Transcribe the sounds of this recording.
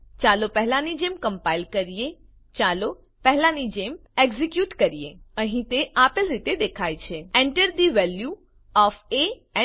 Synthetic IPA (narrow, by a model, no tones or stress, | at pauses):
t͡ʃaːlopɛɦlanid͡ʒeːmkə̃mpaːɪlkəɾije | t͡ʃaːlo | pɛɦlanid͡ʒemeɡzikjuːʈkəɾijeə̃ɦĩt̪eaːpelɾit̪ed̪eːkʰaːjt͡ʃʰeẽɳʈəɾd̪iʋɛlju | ɔːfe | ɛ̃